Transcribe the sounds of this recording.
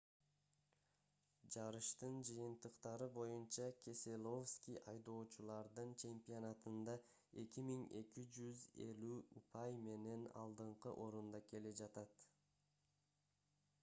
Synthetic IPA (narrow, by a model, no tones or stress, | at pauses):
d͡ʒɑɾɯʃt̪ɯnd͡ʒɯjɯnt̪ɯqt̪ɑɾɯbo̞junt͡ʃɑkʲʰe̞selˠo̞fskʲijʔɑjd̪o̞ːt͡ʃulˠɑɾd̪ɯnt͡ʃe̞mpʲionat̪ɯnd̪ɑ | e̞kimiŋe̞kid͡ʒyze̞̰lʲyupʰɑjme̞ne̞nɑ̰lˠd̪ɯɴqɯʔo̞ɾund̪ɑke̞led͡ʒɑt̪ɑt̪